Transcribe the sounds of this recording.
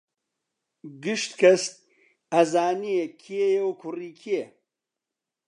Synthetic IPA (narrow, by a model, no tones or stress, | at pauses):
ɡɨʃt̪kʰɐst̪̚ | ɐzaːniekʰijejewkʰʊriːkʰie